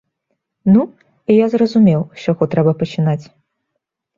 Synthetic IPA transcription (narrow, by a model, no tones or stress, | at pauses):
nu | ijazrɐzumʲɛwʂɔɣɔt̪ɾɛbɐpɐt͡ʃinat͡sʲ